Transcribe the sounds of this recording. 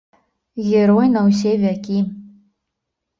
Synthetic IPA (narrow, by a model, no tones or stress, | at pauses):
ɣʲeɾojnaws̬evʲækʲi